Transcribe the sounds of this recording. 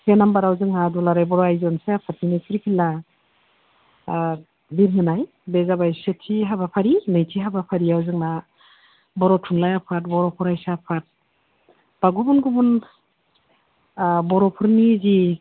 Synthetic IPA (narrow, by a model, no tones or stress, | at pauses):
senambaɾawzɯŋadulaɾajbɔɾɔajzɔnseapʰat̚ninɯjkʰɾikʰilːa | biɾɦɯnaj | bezabajsetʰiɦabapʰaɾinɯjtʰiɦabapʰaɾiawzɯŋna | bɔɾɔtʰuŋlajapʰat̚bɔɾɔpʰɔɾajsapʰat̚ | b̥aɡubunɡubun | bɔɾɔpʰɯɾnizi